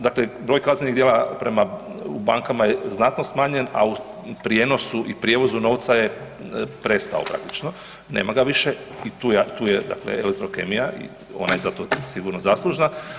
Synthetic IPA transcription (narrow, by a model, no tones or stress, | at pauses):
d̪aklebɾo̞ːjkazneniɡd̪jelapɾe̞maubaːŋkamajeznat̪no̞smaːɲe̞na̰u | pɾije̞no̞suʔipɾije̞ʋo̞zuno̞ʋt̪saje̞ | pɾe̞st̪a̰o̰pɾa̰k̚t̪i̥t͡ʃno | neːmaɡaʋiʃeit̪uːjet̪uːjed̪a̰klḛelek̚t̪ɾo̞ke̞mijaʔḭ | o̞̰najezat̪o̞siɡuɾnozaslˠuʒna